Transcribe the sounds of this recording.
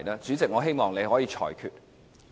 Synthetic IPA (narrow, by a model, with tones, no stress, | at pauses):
jlaː˥t͡syː˨˥t͡sɪ˨k̚ŋɔː˨˧ɦe˥jmɔː˨˩ŋne˨˧jhɔː˨˥jiː˨˧t͡ʃʰɔ̰ː˨˩jkʰy̰ː˨t̚